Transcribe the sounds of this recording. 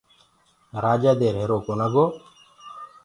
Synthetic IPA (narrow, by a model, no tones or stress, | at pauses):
ɾaːd͡ʒaːd̪eːɾɦeːɾoːkoːnaɡoː